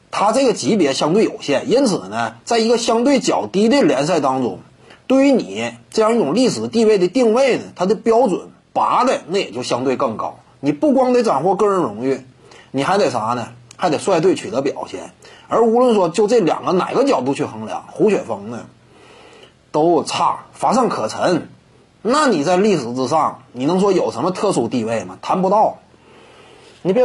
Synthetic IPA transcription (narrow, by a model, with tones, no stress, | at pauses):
t̪ʰa˥t͡sɤ˥˩ɡə˩t͡ɕi˧˥pjɛ˧˥ɕjɑ˥ŋt̪we˥˩jo˨˩ʊɕjɛ˥˩ni˥nt͡sʰɹ̩˨˩nə˦t͡sa˥˩ɪi˧˥ɡə˧ɕjɑ˥ŋt̪we˥˩ɪt͡ɕjɑ˨˩ʊt̪i˥d̪ə˧ljɛ˧˥ns̬a˥˩ɪt̪ɑ˥ŋʈ͡ʂʊ̰˥ŋ | t̪we˥˩ɪy˧˥ni˨˩˦ʈ͡ʂɤ˥˧jɑ˥˧ŋi˥˩ʈ͡ʂʊ˨˩ŋli˥˩ʂɻ̩˨˩t̪i˥˧we˥˩ɪd̪ə˩t̪i˥˧ŋwe˥˩ɪnə˩t̪ʰa˥d̪o˥˧˩pjɑ˥ʊʈ͡ʂwə̰˨˩˦n | pa˧˥d̪ə˧na˥˩jɛ˨˩t͡ɕjo˥˩ʊɕjɑ˥ŋt̪we˥˧ɪkɤ˥˩ŋkɑ˥ʊ | ni˨˩pu˥˩kwɑ˥ŋd̪ə˧˥ʈ͡ʂa˨˩nxwɔ˥˧kɤ˥˩ɻə˧˥nɻʊ˧˥ŋy˥˩ | ni˨˩xa˧˥ɪt̪e˨˩ʂa˧˥nə˨xa˧˥ɪe˨˩ɪswa˥˧ɪt̪we˥˩ɪt͡ɕʰy˨˩t̪ɤ˧˥pjɑ˨˩ʊɕjɛ̰˥˩nə˞˧˥u˧˥lwə˥˧nʂ̬wɔ˥t͡ɕjo˥˧ʊʈ͡ʂɤ˥˩ljɑ̰˨˩ŋɡə˧˦na̰˨˩ɪɡə˧˦t͡ɕjɑ˨˩ʊt̪u˥˧t͡ɕʰy˥˩xɤ˧˥ŋljɑ̰˧˥ŋxu˧˥ɕɥɛ˨˩nfɑ˧˥ŋnə˨ | t̪o˥ʊt͡sʰa̰˥˩fa˧˥ʂ̬ɑ˥˩ŋkʰɤ˨˩ʈ͡ʂʰə˧˥n | na˥˩ni˨˩t͡sa˥˧ɪli˥˩ʂɻ̩˨˧˥t͡sɹ̩˧˩ʂɑ˥˩ŋni˨˩nɤ˧˥ŋʂ̬wɔ˥jo˨˩ʊʂə˧˥mə˧t̪ʰɤ˥˧ʂu˥˧t̪i˥˧we˥˩ɪmɐ˩t̪ʰa˧˥npu˧˥t̪ɑ˥˩ʊ | ni˨˩p